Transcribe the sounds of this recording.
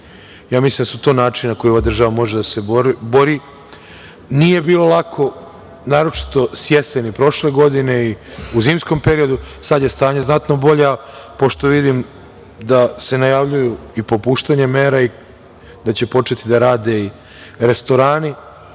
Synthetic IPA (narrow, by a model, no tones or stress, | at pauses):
jaːmisliːmd̪asut̪o̞ːnaːt͡ʃinnako̞joʋad̪ɾr̩ʒaʋamo̞ʒed̪ase̞bbo̞ɾi | nije̞biːlo̞lˠakʰo̞ | naːɾo̞t͡ʃi̥t̪o̞sje̞senipɾo̞ʃle̞ɡo̞d̪ine̞iuziːmsko̞mpe̞ɾio̞d̪usad̪jest̪aːɲeznat̪no̞bo̞ʎapo̞ʃt̪o̞ʋid̪im | d̪ase̞najaʋʎujuipo̞puːʃt̪aɲeme̞ːɾai | d̪at͡ɕe̞po̞t͡ʃe̞t̪id̪aɾaːd̪e̞i | ɾe̞st̪o̞ɾaːni